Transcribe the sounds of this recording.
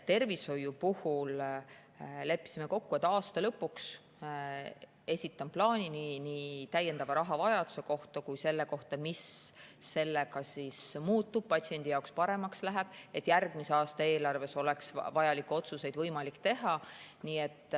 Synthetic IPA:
t̪e̞rvisho̞jupuhul | le̞pːˑi̥sime̞ko̞kːuet̪ːˑɑːst̪ɑlɤpːˑuks | e̞sʲit̪ːˑɑmplɑːnʲininiːt̪æje̞nd̪̥ɑvɑɾɑɦɑvɑjɑd̪̥u̥se̞ko̞ht̪ɑkujse̞lːe̞ko̞ht̪ɑmisː | e̞lːe̞kɑsismuːt̪ːˑub̥̚pɑt̪sie̞nd̪̥ijɑokspɑɾe̞mɑkslæɦeb̥e̞t̪ːˑjærɡ̥mise̞ɑːst̪ɑeːlɑrve̞so̞le̞ksvɑjɑlikːˑuo̞t̪suse̞jd̪vɤjmɑlikːt̪e̞ɦɑniːe̞t̪ːˑ

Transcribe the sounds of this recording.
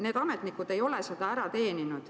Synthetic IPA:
ne̞ːd̪̥ɑmet̪nikːud̪e̞jo̞lese̞d̪̥ɑæɾɑt̪e̞ːninud̪̥

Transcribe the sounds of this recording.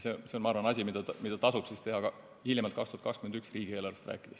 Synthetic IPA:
sese̞onmɑɑːɾvɑnɑsʲimid̪̥ɑmid̪̥ɑt̪ɑsub̥sist̪e̞ɦɑɡɑ | hiljemɑlt̪kɑkst̪uhɑt̪kɑskymend̪yksriːɡ̥ie̞ːlɑɾrvest̪ræ̰ːkːˑid̪̥es

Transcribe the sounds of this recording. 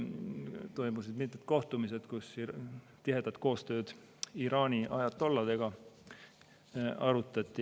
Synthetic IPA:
t̪o̞jmus̬id̪mit̪met̪̚ko̞ht̪umis̬e̞d̪̥kus | t̪iɦe̞d̪̥ɑt̪̚ko̞ːst̪ø̞ːd̪̥ | iɾɑːnʲiʔɑjɑt̪ːo̞lːɑd̪̥e̞ɡ̥ɑ | ɑɾut̪ːˑɑt̪ʲːˑi

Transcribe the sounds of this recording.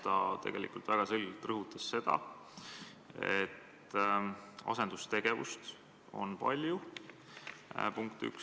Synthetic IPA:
t̪ɑt̪e̞ɡ̥e̞lḭkult̪væɡ̥ɑselɡelt̪ːrɤɦut̪ːˑɑsːe̞d̪̥ɑ̰ | e̞t̪ː | ɑ̰se̞nd̪ust̪e̞ɡ̥e̞vṵst̪ | o̞̰npɑ̰lʲju | puŋkt̪y̰k

